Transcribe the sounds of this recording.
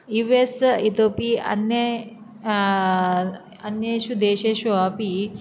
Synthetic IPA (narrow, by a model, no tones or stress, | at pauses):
jiʋesit̪opiɐ̰njə | ɐnjeɕud̪eɕeɕuapi